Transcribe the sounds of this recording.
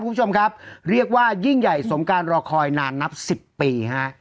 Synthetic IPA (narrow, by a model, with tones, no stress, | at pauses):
pkːt͡ɕʰo˧m˧kʰa˦˥p̚ɾi˥˩ək̚waː˥˩ji˥˩ŋja˨˩jso˩˦mkaː˧nɾɔː˧kʰɔː˧jnaː˧nːa˦˥p̚si˨˩pːiː˧ha˦˥ʔ